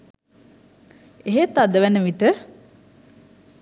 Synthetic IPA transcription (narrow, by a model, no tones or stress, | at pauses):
eɦet̪ad̪əʋænəʋit̪ə